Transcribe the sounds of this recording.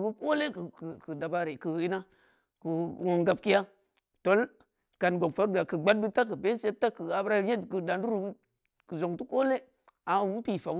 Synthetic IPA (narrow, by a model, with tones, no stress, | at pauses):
ɡu˦ko˦le˦kkkə˨da˨ba˦ɾe˨kɨ˨i˦na˦ | ku˨wo˨ŋɡa˨˦b̚ki˦ja˦ | to˨˦l | ka˨nɡo˨k̚fa˨˦ɾbi˨a˨kɨ˨ɡ͡ba˦d̚bi˦ta˦k̬ɨ˨be˦n˦se˦ta˦kɨ˨a˨bɾa˦ɲe˦˨kə˨da˨n˦du˦ɾu˨˦ | ku˨zo˨ŋtu˦ko˦le˦ | a˨u˦pi˨fa˨˦